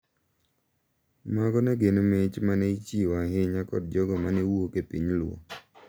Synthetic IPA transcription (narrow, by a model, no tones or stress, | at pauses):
maɡɔnɛɡenomɪt͡ʃmanɛit͡ʃiwaɦɪɲakɔ̰d̚d͡ʒɔɡɔmanewuokepiɲlʊo̰